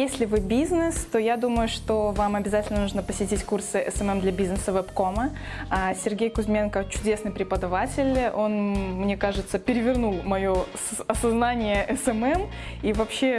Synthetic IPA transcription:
jesʲlʲɪvɨbʲiznɨst̪o̞jad̪uməjʊʂt̪o̞vamɐbʲɪzatʲɪlʲnənuʐnəpəsʲɪtʲitʲkursɨɛsɛmɛmd̪lʲɐbʲiznɨsəvɛpko̞məasʲɪrɡʲejkʊzmʲe̞nkət͡ɕʊdʲe̞snɨjpɾʲɪpəd̪ɐvatʲɪlʲo̞nmnʲe̞kaʐɨt̪səpʲɪɾʲɪvʲɪrnulˠmɐjo̞sɐsɐznanʲɪjəʔɛsɛmɛm | ivɐpɕːe

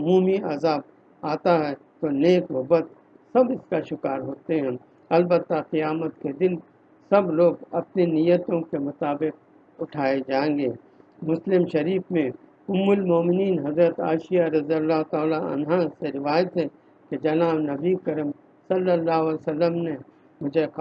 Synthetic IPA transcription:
ʊmuːmiɐzaːb | aːt̪aɦɛ | t̪oneːkɦʊbət̪̚ | sɐbɪskaʃʊkaːɾɦoːt̪eɦɛ̃ː | ɐlbət̪ːaqijaːmət̪ked̪ɪl | sɐbloːɡɐpnenijət̪õkemʊt̪aːbɪq̚ | ʊʈʰaːed͡ʒãːẽŋɡeː | mʊslɪmʃɐɾiːfmẽ | ʊmːʊlmoːmɪniːnɦɐzɾət̪a̰ːʃijaɾɐzijəlːaːɦt̪aːlaɐ̰nɦaseɾɪʋaːjət̪ɦɛ | ked͡ʒɐnaːbnɐbikəɾəm | sɐlːəlːaːɦosəlːəmne | mʊd͡ʒʱe

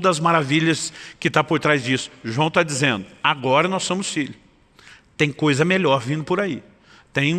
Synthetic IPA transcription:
d̪ɐzmaɾaviʎɐskɪt̪apoɾt̪ɾajzd͡ʒisʊ̥ʒuɐ̃w̃t̪ad͡ʒizẽnd̪ʊaɡɔɾɐnɔsːõmʊsfiʎʊ | t̪ẽj̃kojzɐmeʎɔɾvĩnd̪ʊpʊɾai | t̪ẽj̃

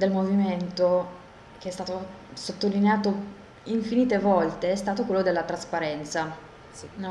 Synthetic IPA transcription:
d̪elmoviment̪o | k̟eɛst̪aːt̪o | sot̪ːolineaːt̪o | iɱfiniːt̪evɔlt̪eɛst̪aːt̪okwelːod̪elːat̪ɾaspaɾɛnt̪sa | n

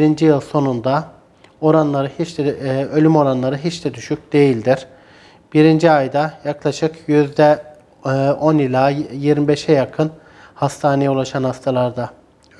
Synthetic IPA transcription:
bɾind͡ʒijɯlˠso̞nund̪a | o̞ɾanlˠaɾɯhit͡ʃɛølʲymo̞ɾanlˠaɾɯɦit͡ʃd̪ɛd̪yʃyc̚ʲd̪e̞jilʲd̪iɾ̥ | b̥iɾind͡ʒiajd̪ajaklˠaʃɯkjyzd̪ɛ | ʔo̞nilʲˠaːjiɾmibe̞ʃɛjakʰɯn | hast̪ʰaːnejɛulˠaʃanhast̪ʰalˠaɾd̪a

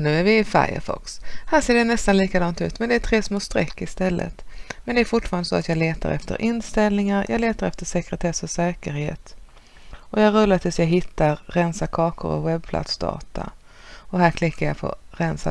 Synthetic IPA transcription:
nʉ̟ːæɾvɪfa̰ɾjə̰ɾfɔ̰kshæːʂeːɖɛnɛst̪anliːkad̪ɑŋt̪ʉ̟ːt̪mɛnd̪ɛæt̪ʰɾeːsmoːst̪ɾɛkːɪst̪ɛlːʔə̰t̪mɛnd̪ɛæɾfʊʈfɑːɾanəsoːat̪jɑːɡleːt̪a̰ɾɛ̰ft̪ə̰ɾʔɪnst̪ɛlnɪŋaɾjʔɑ̰ːɡleːt̪aɾɛft̪əʂɛkɾɛt̪ʰɛsfɔsɛːkəɾhḛːt̪ | ɔjɑɡɾɵlːat̪ʰɪlsjɑːɡɦɪt̪ːaɾːɛnsakʰɑːkʊ̰ɾɔ̰wɛb̚pʰlʔa̰t̪sd̪ɑ̰ːt̪ʰa̰ | ɔɦæːɾkʰlɪkːaɾjɑ̰pʰɔ̰ɾɛnsa̰

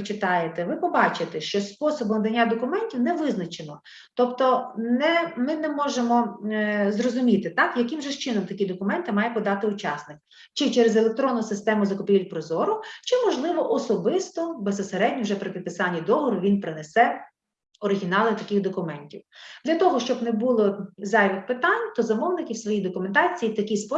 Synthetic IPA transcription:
t͡ʃɪt̪ɑjet̪ɛʋɪpɔbɑt͡ʃɪt̪ɛʃt͡ʃɔspɔsɔbɔmd̪ɐnʲːad̪ɔkʊmɛnʲtʲiwnɛʋɪznɐt͡ʃenɔ | t̪ɔpt̪ɔnɛmɪnɛmɔʒemɔ | zrɔzʊmʲit̪ɪt̪ɑkjɐkʲɪmʒɛʃt͡ʃɪnɔmt̪ɐkʲid̪ɔkʊmɛnt̪ɪmɑjɛpɔd̪ɑt̪ɪʊt͡ʃɑsnɪk̚ | t͡ʃɪt͡ʃɛɾezelˠek̚t̪ɾɔnːʊsɪst̪ɛmʊzɐkɔpʲiʋʲilʲpɾɔzɔɾʊt͡ʃɪmɔʒlˠɪʋɔʔɔsɔbɪst̪ɔbesɔseɾɛdʲnʲiwʒɛpɾɪpʲɪd̪̚pɪsɑnʲːid̪ɔɦɔɾʊʋʲinpɾɪnesɛ | ɔɾɪɦʲinɑlˠɪt̪ɐkʲɪxd̪ɔkʊmɛnʲtʲiwd̪lʲɐt̪ɔɦɔʃt͡ʃɔbnɛbulˠɔzɑjʋɪxpɪt̪ɑnʲt̪ɔzɐmɔwnɪkʲiwsʋɔjijd̪ɔkʊment̪ɑt͡sʲijit̪ɐkʲispɔ

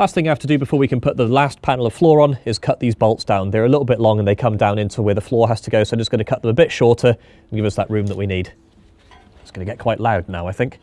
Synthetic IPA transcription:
last̪θɪ̃ŋaɪhaftʰədɨbɪfɔːɹwikʰə̃npʰʊʔ̪̚ðəlaspʰanl̩ˠəv̥flɔːɹə̃nɪz̥kʰʌʔ̪̚ðizbɒlˠtsd̥ãʊ̃nðə˞əlɪɾl̩ˠbɪʔlɔ̃ŋə̃nðeɪkʰʌ̃mdãʊ̃ñɪ̃ntʰəwə˞ðəflɔːɹɦaz̥tʰəɡoʊsoʊə̃nɨtsɡ̥ʌnəkʰʌʔ̪̚ðə̃məbɪtʃɔɹtʰə˞ | ə̃n̩ɡɪvʌsðəʔɹʉ̃mðəʔwiniːd̥ | ɪtsɡ̥ʌnəɡɛʔ̚kʰw̥aɪʔˡlaʊdⁿnaʊaɪθɪ̃ŋk

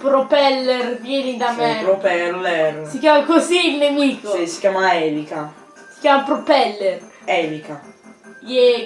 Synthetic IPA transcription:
pɾɔpɛlːɛrvjɛːnid̪ameopɛlolɛɾsikjaːmakoziːlnemiːkosi̥kjaːmaɛːlika | si̥kjaːmapɾopɛlːɛr | ɛlikajɛ

